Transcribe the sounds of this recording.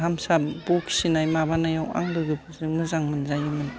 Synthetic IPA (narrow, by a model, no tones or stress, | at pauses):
ɦamsabukʰi̥sinajmabanajawa̰ŋlɯɡɯbʰɯzɯŋmɯzaŋmɯnzajɯmɯn